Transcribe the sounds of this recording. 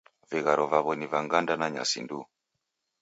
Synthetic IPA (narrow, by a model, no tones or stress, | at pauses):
vɛɣaɾɔvaβɔnivaŋɡandanaɲa̰sḭndu